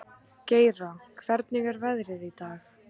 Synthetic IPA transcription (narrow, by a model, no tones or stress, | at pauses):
ceːjɾakʰvɛɾt̪nɪɣɛɾvɛðɾɪðit̪aːx